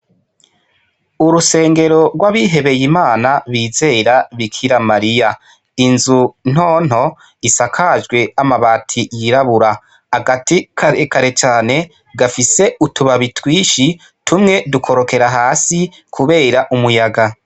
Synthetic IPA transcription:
uɾuse̞ːŋɡe̞ɾo̞ɾɡwaβiɦe̞βe̞jimaːnaβiːze̞ːɾaβikʰiɾamaɾija | inzun̥hoːn̥ho̞ | isakʰaʒɡwe̞amaβaːtʰijiɾaβuɾa | haɡatikaɾekaɾe̞t͡ʃaːne̞ | ɡafise̞utuβaβitwiːʃi | tʰumŋe̞dukʰo̞ɾo̞ke̞ɾaɦaːsi | kʰuβe̞ːɾaʔumujaɡa

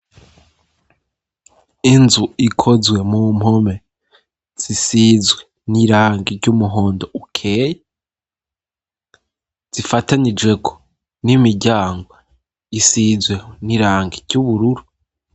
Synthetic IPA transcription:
inzuikʰo̞zwe̞mum̥ho̞me̞ | z̥isiːzwe | niɾaːŋɡiɾɟumuɦo̞ːndo̞ukʰeːje | z̥ifatanid͡ʒwe̞kʰo̥ | nimiɾɟaːŋɡwo | isizwe̞niɾaːŋɡiɾɟuβuɾuɾu

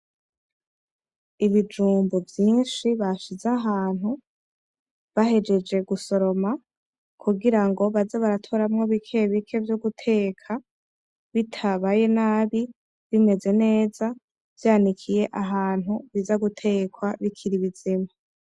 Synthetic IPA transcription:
iβid͡ʒuːmbovjiːnʃiβaʃizaɦaːn̥hu | βaɦe̞d͡ʒe̞d͡ʒe̞ɡuso̞ɾo̞ma | kʰuɡiɾaŋɡo̞βazaβaɾatʰo̞ɾamŋo̞βikʰeβikʰe̞vjoɡutʰe̞ːkʰa | βitʰaβaje̞naβi | βime̞ze̞ne̞ːza | v̥jaːnikʰije̞ʔaɦaːn̥huβizaɡutʰe̞ːkwaβikʰiɾiβizima

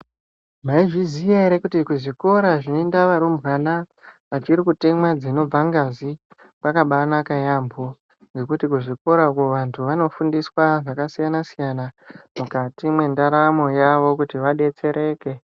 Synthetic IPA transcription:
maiʐizijaɾekutikuʐiko̞ɾaʐinondaʋaɾumbɣanaʋat͡ʃiɾikutemwad͡zino̞b͡vaŋɡazi | pakaɓanakajambʱo | nd͡ze̞kutikuʐiko̞ɾakuʋantʰuʋano̞fundiswaʐakasijanasijanamukatimwe̞ndaɾamo̞jaʋo̞kutiʋaɗe̞t͡se̞ɾe̞ːke̞

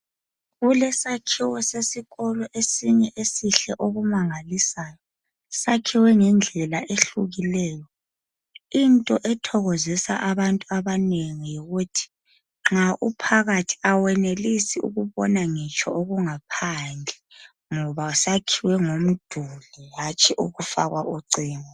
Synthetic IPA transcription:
ɣulɛsakʰiwɔsesiɣɔlɔʔesiɲɛʔesiɬɛʔoɣumaŋalisaːjɔ | sakʰiwɛŋɛnd͡ɮʱɛlaʔeɬuɣilɛːjɔ | intʼɔʔɛtʰɔɣɔzɛsa̰ʔaβantʼuaβaneŋijoɣutʰi̥ | ŋ͡ǁaʔupʰaɣatʰi̥awɛnelisiṵɣuβɔnaŋit͡ʃʼʰɔoɣuŋapʰand͡ɮʱɛ | ŋɔβausakʰiwɛŋom̩d̥ʱulɛɦat͡ʃʼiʔuɣufa̰ɣwaʔuǀiːŋɔ

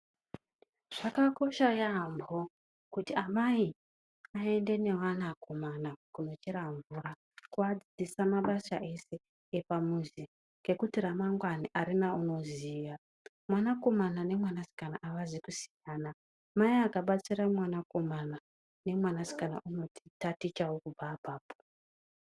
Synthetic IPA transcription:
ʐ̥akako̞ʃajambʱo | kutiamai | ae̞nde̞ne̞wanako̞manakuno̞t͡ʃiɾaɱvuːɾa | kuad͡zid͡zisamaɓasa̰ʔe̞se̞ː | pamuzi | ŋɡe̞kutiramaŋɡwaniʔaɾinauno̞ziːja | mwanako̞manane̞mwanasi̥kana̰ʔaʋazekusi̥jaːna | maiakaɓat͡siɾamwanako̞mana | ne̞mwanasi̥kana̰ʔuno̞tʰi̥tatit͡ʃawokub͡vapaːpo̥

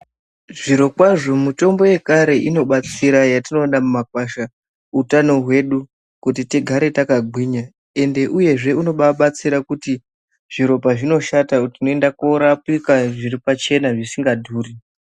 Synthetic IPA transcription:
ʐiɾo̞kwaʐo̞muto̞mbo̞je̞kaɾe̞ʔino̞ɓat͡siɾajatino̞namumakwaʃa | utano̞ɦwe̞ɗu | kutiteɡʱaɾe̞takaɡʱwiːɲa | e̞nde̞ʔuje̞ʐe̞uno̞ɓaɓat͡siɾakuti | ʐ̥iɾo̞paʐino̞ʃatautino̞e̞ndakoɾapikaʐiɾipat͡ʃe̞naʐisiŋɡadʱuːri

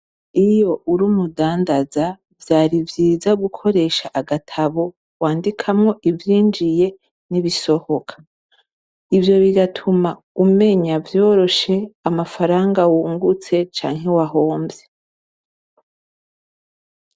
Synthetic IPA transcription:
ijo̞ʔuɾumudaːndaza | vjaːɾivjiːzaɡukʰo̞ɾe̞ʃaʔaɡatʰaβo̞ | waːndikʰamŋo̞ʔivjiːnd͡ʒije̞ | niβiso̞ho̞kʰḁ | ivjo̞βiɡatʰuma | ume̞ɲavjo̞ːɾo̞ʃe̞amafaɾaːŋɡawuːŋɡut͡se̞t͡ʃa̰ːŋɦe̞waɦoːmbe

